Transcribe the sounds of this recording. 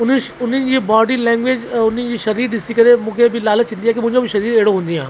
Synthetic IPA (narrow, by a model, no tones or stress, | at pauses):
ʊnːiʊnːĩd͡ʒibɔːɖilɛ̃ːŋɡʋeːd͡ʒʊnːĩd͡ʒiʃɐɾiːɾɖɪsikəɾemʊkʰebʱilaːlət̪t͡ʃɪ̃nd̪iɛ̃ːkimʊ̃d͡ʒõbʱiʃɐɾiːɾeːɽõɦʊ̃nd̪iɦãː